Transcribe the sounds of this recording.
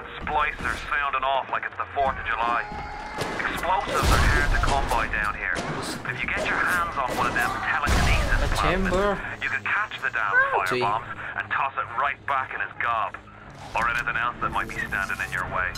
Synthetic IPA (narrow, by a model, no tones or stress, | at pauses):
splaɪsə˞sãʊ̃ndə̃ŋɔflaɪkɨtsðəfɔɹθʌvd͡ʒəlaɪ | ɨksploʊsɪvðə˞ɦɛɹtɨkʰʌ̃mbaɪdãʊ̃nɦḭɹb̥ʌɾɨfjɨɡɛt͡ʃə˞hæ̃ndzn̩wʌ̃nʌvðə̃mtʰɛlˠɪ̃ŋɨ̃nizɨ̃npʰaɛ̃m̃bə˞jɨkɨ̃nkʰat͡ʃðɨdãʊ̃nfaɪəbɑ̃mz̥ʔə̰̃ntʰɔsɨt̚ɹaɪt̚b̥akɨ̃ñɨzɡɑb̥ | ə˞ɛñiθɪ̃ŋɛlˠsðət̚maɪt̚b̥istæ̃ndɪ̃ŋɨ̃njə̰˞weɪ